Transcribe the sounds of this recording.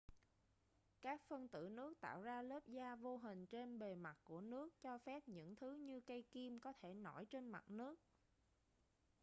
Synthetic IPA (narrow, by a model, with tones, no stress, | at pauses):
kaː˦˥k̚fə˧nt̪ɨ̰˧˩nɨ˦˥ək̚t̪a̰ː˧˨wzaː˧ləː˦˥p̚zaː˧vo˧ɦï˨˩ŋ̟t͡ɕe˧nɓe˨˩ma˨˩t̚ku˧˩ənɨ˦˥ək̚t͡ɕɔ˧fɛ˦˥p̚ɲɨ̰˧˥ŋt̪ʰɨ˨˦ɲɨ˧kə˧jki˧mkɔ˨˦t̪ʰe˧˩nɔ˧˩jt͡ɕe˧nma̰˨˩t̚nɨ˦˥ək̚